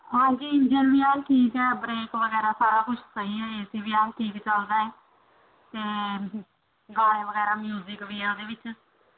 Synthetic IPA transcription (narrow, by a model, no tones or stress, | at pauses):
hãːd͡ʒiːɪ̃ɲd͡ʒənʋiːɛːlʈʰiːkɛːbɾeːkʋəɡɛːɾaːsaːɾaːkʊt͡ʃʰsəɦiːɛːeːsiːʋɪaːnʈʰiːkt͡ʃəld̪aːɛː | t̪eː | ɡaːlẽːʋəɡɛːɾaːmjuːzɪkʋiːɛːod̪eːʋɪt͡ʃ